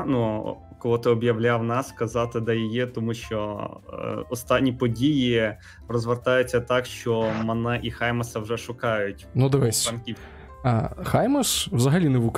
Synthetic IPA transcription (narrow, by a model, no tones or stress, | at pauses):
nu | kɔlˠɔt̪ɪɔbjɐwlʲawnɑskɐzɑt̪ɪd̪ɐjɔjit̪ɔmuʃt͡ʃɔ | ɔst̪ɑnʲːipɔdʲiji | rɔzʋert̪ɑjʊt͡sʲːɐt̪ɑkʃt͡ʃɔmɐnɛʔixɑjmɐsɐwʒɛʃʊkɑjʊtʲnud̪ɔʋɛsʲɐnkʲiw | xajmɐswzɐɦɐlʲinɛʋuk